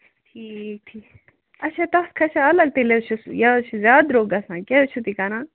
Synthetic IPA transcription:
ʈʰiːk̚ʈʰiːk | ɐt͡ʃʰat̪ɐskʰɐt͡ʃʰaɐlɐɡ̚t̪elet͡ʃʰusjat͡ʃʰuzʲjaːd̪ɾoːɡɐsãːkeut͡ʃʰut̪ikanaː

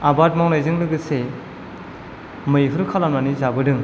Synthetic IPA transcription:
abat̚mawnajzɯŋlɯɡɯse | mɯjɦɯɾkʰalamnanizabɯdɯŋ

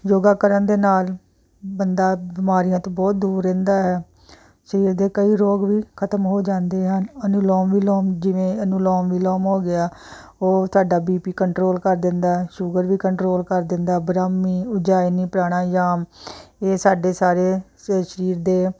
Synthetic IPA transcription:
joːɡaːkəɾənd̪eːnaːl | bənd̪aːbɪmaːɾijãːt̪õːbɔːt̪̚d̪uːɾːɛ̃ːnd̪aːɦɛː | ʃəɾiːɾd̪eːkəiːɾoːɡʋiːkʰət̪əmɦoːd͡ʒãːnd̪eːɦənənuːlɔːmʋiːlɔːmd͡ʒɪʋẽːənũːlɔːmʋiːlɔːmɦoːɡɪaː | oːt̪ʊaːɖaːbiːpiːkəɳʈɾoːlkəɾd̪ɪnd̪aːɦɛːʃʊɡəɾʋiːkəɳʈɾoːlkəɾd̪ɪnd̪aːbɾaːmːiːʊd͡ʒaːinĩːpəɾaːɽ̃aːjaːmeːsaːɖeːsaːɾeː | ʃəɾiːɾd̪eː

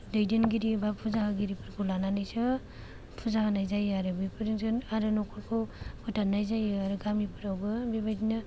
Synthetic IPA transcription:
dɯjdenɡiɾibapʰuzaɡaɡiɾipʰɯɾkʰɔlananajsɯ | pʰuzaɡanajzajaɾɯbipʰɯɾiŋsʰɯnaɾɯnɔkʰɔɾkʰɔpʰɯtanːajzajaɾɯɡamipʰɯɾawɡɯbebajdinɯ

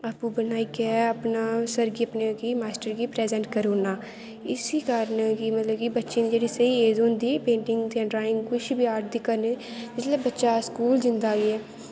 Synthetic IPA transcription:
aːpuːbənaːiːkɛəpnaːsəɾɡiəpnekiːmaːsʈəɾkiːpɾɛːzɛ̃ːɳʈkəɾoːnaː | ɪsikəɾənkiːmət̪ləbkibətːʃeːnẽd͡ʒeːɽiːsəieːzɦõːnd̪iːpẽːɳʈɪŋɡt̪ãːɖɾaːɪ̃ŋɡkʊʃbiaːʈ̚d̪iːkəɾne | d͡ʒɪt̪ləbətːʃaskuːlzɪnd̪aːɡiːɛː

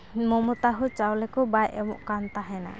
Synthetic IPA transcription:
mɔmɔt̪aɦut͡ʃawlɛkɔbajʔɛmɔ̰ʔkant̪aɦɛna̰

